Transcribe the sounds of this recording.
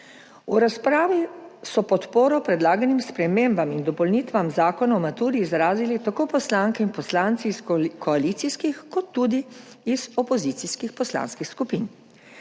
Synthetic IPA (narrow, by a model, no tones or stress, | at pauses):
uɾaspɾaːʋisɔpɔt̪poːɾɔpɾɛd̪laːɡanimspɾɛmembamind̪ɔpɔlniːt̪ʋamzaːkɔnaɔmat̪uːɾiːzɾaːzilit̪akopɔslaːŋkɛinpɔslaːnt̪siːskʰɔalit̪siskixkɔt̪ːud̪i | izɔpɔzit̪siskixpɔsla̰ːnskixskupin